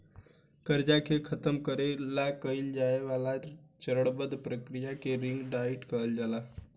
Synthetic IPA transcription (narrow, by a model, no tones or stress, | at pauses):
kəɾd͡ʒakekʰət̪əmkəɾelakəɪld͡ʒaeʋalat͡ʃəɾəɽbəd̪pɾəkɾijakeɾiŋɡɖaiʈkəɦəld͡ʒala